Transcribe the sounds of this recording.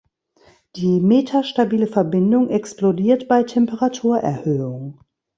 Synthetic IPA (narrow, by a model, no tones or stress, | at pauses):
d̥iːmeːtʰaʃtabiːləfɛɐbɪndʊŋʔɛksplodiːɐtb̥aɪtʰɛmpəʁatʰuːɐʔɛɐhøːʊŋ